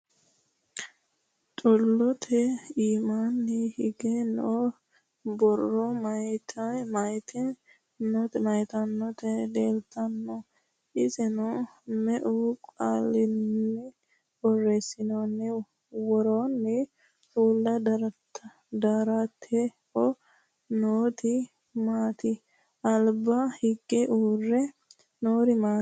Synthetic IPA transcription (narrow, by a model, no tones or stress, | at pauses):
t̪ʼʊlːɔt̪ʰɛiːmanːɛhɪɡɛn | bɔrːɔmɐt̪ʰmɐjt̪ʰɛ | nɔt̪ɛmɐjt̪ɐnːɔt̪ɛd̪eːlt̪ʰɐnːɔ | ʔɪzɛnʊmɛʔukʼa̰lːɪnːɛ | bɔrːesɪnonːɛ | wɔɾoːnːɛ | uːlːɐd̪ | d̪aːɾat̪ʰːɛhɔ | noːt̪ɪ | maːt̪ɪ | ɐlbɐhɪɡːɛʔuːrːɛ | noːɾɪmaː